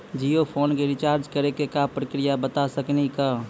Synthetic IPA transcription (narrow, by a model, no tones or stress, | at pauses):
d͡ʒijopʰoːnkeɾɪt͡ʃaːɾd͡ʒkəɾekekapɾəkɾijabət̪asəknika